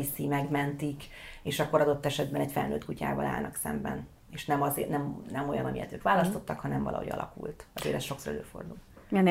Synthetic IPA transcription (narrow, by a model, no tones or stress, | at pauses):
isimɛɡmɛnt̪ikeːʃɒkːoɾɒd̪o̞t̪ːɛʃɛd̪bɛnɛcfɛlnøːt̪̚kuca̰ːvɒlʔa̰ːlnɒksɛ̰mbɛn | eːʃnɛmɒzeːnɛmnɛmo̞jɒnɒmijɛ̰t̪øːkʋaːlɒst̪o̞t̪ːɒkhɒnɛɱvɒ̰lʔɒ̰hoɟɒ̰lʔɒ̰kult̪ɒzḛːlɛsʃo̞ksoɾɛ̰løːfo̞̰rd̪ulɛn